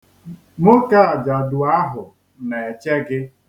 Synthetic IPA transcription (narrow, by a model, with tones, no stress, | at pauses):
mʊ˦ka˦a˨d͡ʒa˨dʊ˨a˦ɦʊ˨ | ne˨e˨t͡ʃe˦ɡɪ˦